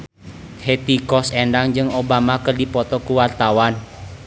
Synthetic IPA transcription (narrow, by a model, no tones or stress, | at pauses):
het̪ikɔsendaŋd͡ʒɨŋobamakərdipɔt̪ɔkuwart̪awan